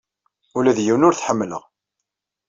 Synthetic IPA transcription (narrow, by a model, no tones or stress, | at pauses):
ʊlæðjiwnʊɾθħəmːlə̰ʁ